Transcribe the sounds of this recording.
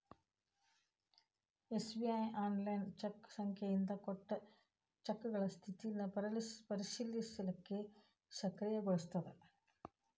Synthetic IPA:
esbiɐjaːnlɐjnt͡ɕɐkːsɐŋkʰjɐind̪ɐkoʈːɐ | t͡ɕɐkːuɣɐɭɐst̪ʰit̪ːinːɐpɐɾlspɐɾiɕiljɐsilɐkːe | ɕɐkrijɐɡɐɻst̪ɐðɐ

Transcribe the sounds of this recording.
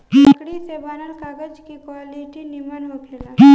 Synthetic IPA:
kɽisebanəlkaːɡəd͡ʒkikwaːliʈinimənɦokʰlela

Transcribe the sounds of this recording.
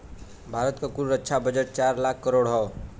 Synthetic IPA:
bʱaɾət̪kokuɾuɾətːt͡ʃʰabəd͡ʒəʈ̚t͡ʃaɾlakʰːəɾoɽɦɔ

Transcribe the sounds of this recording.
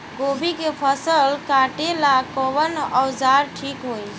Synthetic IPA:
ɡoːbikepʰəsəlkaːʈelakoːʋənɔːzaːɾʈʰiːkɦuːĩ

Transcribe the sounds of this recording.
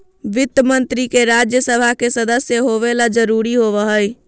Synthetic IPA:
ʋɪt̪əmənt̪ɾikeɾad͡ʒjəsəbʱakesəd̪əsjəɦoʋelad͡ʒəɾuɾiɦoʋəɦəj

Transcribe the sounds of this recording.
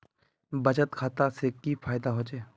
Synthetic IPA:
bəd͡ʒət̪kʰaːt̪asekifʰaːɪd̪aɦoːd͡ʒeː

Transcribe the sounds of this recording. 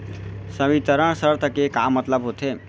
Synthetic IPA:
səbit̪əɾəɳ̃səɾt̪ʰəkekamːət̪ləbɦot̪ʰe

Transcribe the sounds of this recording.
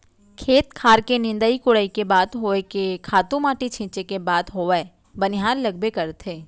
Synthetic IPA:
kʰeːt̪kʰaːɾkenɪ̃nd̪əikʊɽəikebaːd̪ɦoːekekʰaːt̪ũmaːʈit͡ʃʰɪ̃ːt͡ʃekebaːd̪ɦoːʋɛ | bɐnɪɦaːɾlɐɡ̚bekɐɾt̪ʰeː

